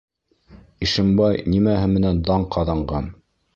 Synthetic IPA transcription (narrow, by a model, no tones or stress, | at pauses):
iʃɘ̆mbɑjnimæɦɘmɘ̆nænd̪ɑɴqʰɑðɑɴɢɑn